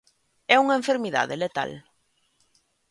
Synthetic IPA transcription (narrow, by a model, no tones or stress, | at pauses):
ɛuŋɐẽɱfeɾmiða̰ðelet̪a̰l